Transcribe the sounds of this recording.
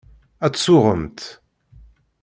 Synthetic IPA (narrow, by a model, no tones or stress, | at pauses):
æt͡sːsʊʁəmt̪